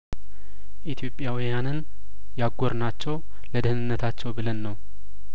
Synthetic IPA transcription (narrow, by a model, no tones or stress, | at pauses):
ʔit̪ʰjo̞pʼːjawijanɨn | jaɡːoɾnat͡ʃːɛw | ləd̪ɨhnɨnːət̪ʰat͡ʃːɛwbɨlənːəw